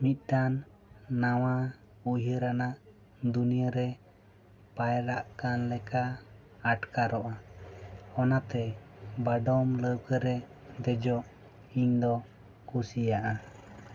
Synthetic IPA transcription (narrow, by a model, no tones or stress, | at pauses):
mit̪̚ˀʈanː | awa | uɦəɾanaʔ | d̪unijəɾɛ | pajɾaʔkanlɛkaː | ʈkaɾɔʔa | ɔnat̪ɛbaɖɔmləwkəɾɛ | d̪ɛd͡ʒɔʔ | iɲd̪ɔ | kusijaʔa